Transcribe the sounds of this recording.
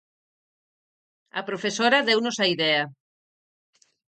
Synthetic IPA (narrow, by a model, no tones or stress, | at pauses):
ɐ̰pɾofesoɾɐðewnosɐiðɛɐ